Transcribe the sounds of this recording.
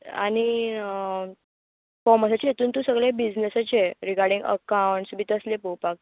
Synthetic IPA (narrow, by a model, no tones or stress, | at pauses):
añi | kɔməsat͡ɕijet̪ʰuːnt̪usəɡɭebid͡znesət͡ɕeɾiɡaɾɖĩŋɡə̰kawɳʈsbit̪əslepopak̚